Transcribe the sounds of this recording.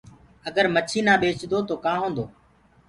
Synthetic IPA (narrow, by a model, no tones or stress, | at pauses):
əɡəɾmət͡ʃʰiːnãːɓeːt͡ʃd̪oːt̪oːkãːɦõːnd̪oː